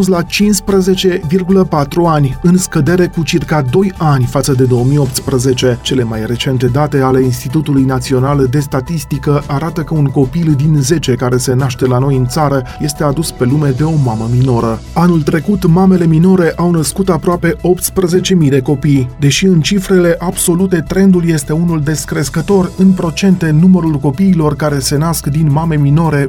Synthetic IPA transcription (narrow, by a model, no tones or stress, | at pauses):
unslat͡ʃinspɾəze̞t͡ʃe̞virɡuləpat̪ɾuanʲɨnskəd̪e̞ɾe̞kut͡ʃirkad̪o̞janʲfat̪səd̪e̞d̪o̞əmijo̞p̚t̪spɾəze̞t͡ʃe̞t͡ʃe̞le̞majre̞t͡ʃe̞nt̪e̞d̪at̪e̞ale̞inst̪it̪ut̪ulujnat̪sio̞nald̪e̞st̪at̪ist̪ikəʔaɾat̪əkəuŋko̞pild̪inze̞t͡ʃe̞kaɾe̞se̞naʃt̪e̞lano̞jɨnt̪saɾəje̞st̪e̞ad̪uspe̞lume̞d̪e̞o̞maməmino̞ɾəanult̪ɾe̞kut̪mame̞le̞mino̞ɾe̞ʔawnəskut̪apɾoape̞o̞pt̪spɾəze̞t͡ʃe̞mijd̪e̞ko̞pijd̪e̞ʃiɨnt͡ʃifɾe̞le̞ʔabso̞lut̪e̞t̪ɾe̞nd̪ulje̞st̪e̞unuld̪e̞skɾe̞skət̪o̞rɨnpɾo̞t͡ʃe̞nt̪e̞numəɾulko̞piːlo̞rkaɾe̞se̞naskd̪inmame̞mino̞ɾe̞